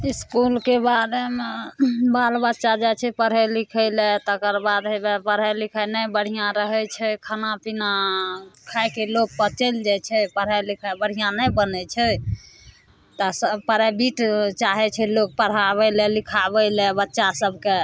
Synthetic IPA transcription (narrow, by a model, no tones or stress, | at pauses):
iskulkebaɾemebalbətːʃad͡ʒajt͡ʃʰɛpəɾɦɛlikʰəlet̪əkəɾbad̪ebepəɾɦɛlikʰajnəbəɽ̤ijãɾəɦɛt͡ʃʰɛkʰənapina | kʰajkelok̚pət͡ʃəld͡ʒat͡ʃʰɛpəɾɦɛlikʰabəɽ̤ijãnəjbənɛt͡ʃʰɛ | t̪ɔsəpəɾabiʈt͡ʃaɦɛt͡ʃʰɛlok̚pəɽ̤aβɛlelikʰabɛlɛbətːʃasəbʱke